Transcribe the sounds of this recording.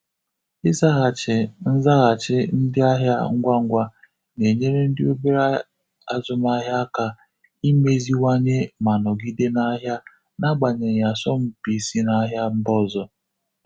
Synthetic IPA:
ɪ˦za˦ɣa˨t͡ʃɪ˨n̩˦za˦ɣa˨t͡ʃɪ˦n̩˦dɪ˦a˦ɦja˦ŋ̩˦ɡʷa˦ŋ̩˦ɡʷa˦ | ne˨ɲe˦ɾe˦n̩˦dɪ˦o˦be˦ɾa˦ | a˦zʊ˨ma˦ɦja˦ka˨ | i˦me˦zi˦wa˦ɲe˦ma˨nɔ˨ɡi˦de˦na˦ɦja˦ | na˦ɡ͡ba˨ɲe˨ɾja˨sɔ˦m̩˦pi˨si˦na˦ɦja˦m̩˦bɔ˦zɔ˦

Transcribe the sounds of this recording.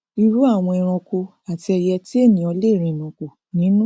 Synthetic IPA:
i˧ɾu˦a˦˨w̃ɔ̃˧i˧ɾ̃ɔ̃˧ko˧ | a˨ti˧ɛ˧jɛ˧ti˦e˦˨nĩ˨˦ɔ˧le˦˨ɾ̃ĩ˧˨nɔ̃˨ko˨ | nĩ˨˦nũ˦

